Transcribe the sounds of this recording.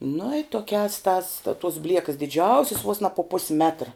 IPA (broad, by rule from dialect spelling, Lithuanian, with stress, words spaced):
nʊ ɪ ˈtoːkʲæːs tɑːs tɐ toːs ˈbʲlʲiɛkɐs dʲɪˈd͡ʒʲɛʊsʲɪs ʋoːs nɐ pʊ ˈpʊsʲɪ ˈmʲæːtrɐ